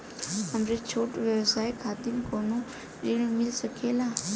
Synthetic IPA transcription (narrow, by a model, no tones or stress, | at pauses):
ɦɐmɾet͡ʃʰoːʈʋjəʋsaːikʰaːd̪ɪmkoːnõ | d͡ʒiɽmɪlsəkʰeːlaː